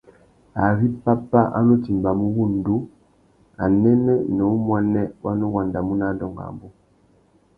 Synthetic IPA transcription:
a˨βi˦pa˦pa˦ʔa̰˦no˦ti˨mba˨mu˦ɣu˦˨ndu˦ | a˨nɛ˦nɛ˦nɔ˨u˦mwa˦nɛ˦wa˦no˦ɣwa˨nda˨mu˦na˦dɔ˨ŋɡa̰˨mbu˦

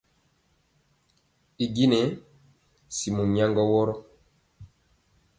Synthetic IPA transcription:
i˨ɡi˦nɛ˨˦ | si˨mu˨ɲa˦ŋɡɔ˦wɔ˦ɾɔ˦

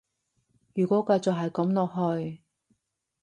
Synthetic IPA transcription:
jyː˨˩kʷɔː˨˥kɐ˧jt͡sɔ˨kɦɐ˨jkɐ˨˥mlɔː˨kɦɵ˧ɥ

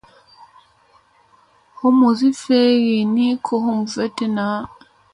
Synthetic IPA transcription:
ho˦mu˨zi˦fe˦ɣi˨ni˦kʰo˦ɦo˦mu˨ve˦te˦na˨˦

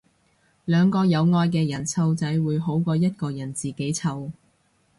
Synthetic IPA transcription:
lœː˨˧ŋkɔː˧jɐ˨˧wŋɔː˧jk̬ɛː˧jɐ˨˩nt͡sʰɐ˧wt͡sɐ˨˥jwuː˨˧jɦo˨˥wkɔː˧jɐ˥t̚kɔː˧jɐ˨˩nt͡siː˨ke˨˥jt͡sʰɐ˧w

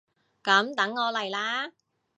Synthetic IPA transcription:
kɐ˨˥mt̪ɐ˨˥ŋːɔː˨˧lɐ˨˩jlaː˥

